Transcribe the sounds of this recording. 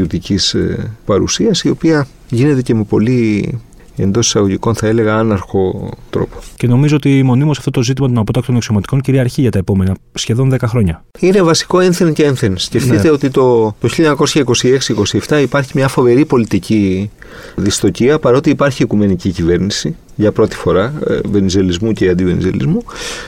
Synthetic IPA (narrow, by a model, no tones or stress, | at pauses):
iut̪icispɐɾṵsiɐsio̞piɐ | ʝine̞t̪e̞ce̞me̞po̞li | e̞̰nd̪o̞si̥sɐɣo̞ʝiko̞nθɐe̞le̞ɣɐɐnɐɾxo̞t̪ɾo̞̰po̥ce̞no̞mizo̞ot̪imo̞nimusɐft̪ot̪o̞zit̪̬imɐt̪o̞nɐpo̞t̪ɐkt̪onɐksomɐt̪i̥ko̞ɲciɾiɐɾçiʝɐt̪ɐe̞po̞me̞nɐ | sçe̞ðo̞nðe̞kɐxɾo̞ɲɐine̞vɐsi̥ko̞enθeɾnceenθensceft̪it̪eo̞t̪it̪o̞t̪oçiʎɐɐɐko̞sçɐiko̞sie̞ksiko̞sieft̪ɐipɐɾçimɲɐfo̞ve̞ɾipo̞lit̪ici | ðist̪o̞ciɐpɐɾo̞t̪iːpɐɾçiikume̞nicicive̞ɾnisi | ʝɐpɾo̞t̪i̥fo̞ɾɐve̞nize̞lizmuceɐnd̪ive̞nḭze̞̰lḭzmu